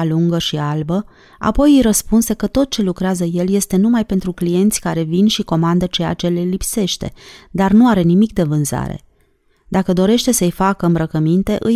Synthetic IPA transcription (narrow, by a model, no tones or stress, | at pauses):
aluŋɡəʃialbə | a̰po̞jijɾəspunse̞kət̪o̞t̪̚t͡ʃe̞lukɾeazəje̞lje̞st̪e̞numajpe̞nt̪ɾuklije̞nt̪sʲkaɾe̞vinʃiko̞mand̪ət͡ʃeja̰t͡ʃe̞le̞lipse̞ʃt̪e̞̰d̪arnuaɾe̞nimik̚d̪e̞vɨnza̰ɾe̞̰ | d̪akəd̪o̞ɾe̞ʃt̪e̞səjfakəɨmbɾəkəmint̪e̞ʔɨj